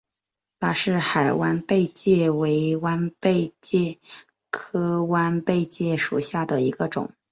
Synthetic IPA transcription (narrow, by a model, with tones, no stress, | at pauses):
t̪a˥˩ʂɻ̩˥˩xa˨˩ɪwa˥npe˥˧ɪt͡ɕjɛ˥˩we˧˥ɪwa˥npe˥˧ɪt͡ɕjɛ˥˩ | kʰɤ˥wa˥npe˥˧ɪt͡ɕjɛ˥˩ʂṵ˨˩ɕja˥˩d̪ə˩i˧˥ɡə˧ʈ͡ʂʊ̰˨˩˦ŋ